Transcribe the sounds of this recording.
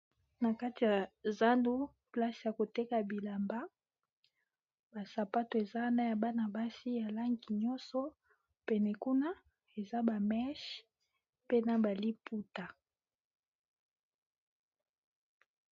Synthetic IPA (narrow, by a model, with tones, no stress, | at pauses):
na˨ka˦ti˨ja˨za˦ndu˦ | pla˦sja˨ko˨te˦ka˨bi˨la˨mba˦ | ba˨sa˨pa˦to˨e˨za˦na˦ja˨ba˦na˨ba˦si˦ja˨la˦ŋɡi˨ɲɔ˦nsɔ˦ | pɛ˨nɛ˨ku˦na˦ | e˨za˦ba˨mɛ˦ʃ | pe˦na˦ba˨li˦pu˦ta˨